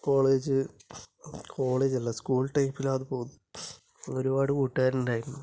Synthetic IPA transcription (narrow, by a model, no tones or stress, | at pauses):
ko̞ːɭe̞ːd͡ʑɨ | kʰo̞ːɭe̞ːd͡ʑɐlːɐskuːɭʈɐjpːilaːðɨpoːn | o̞ɾubaːɽɨkuːʈːɨaːɾundaːjiɾunːu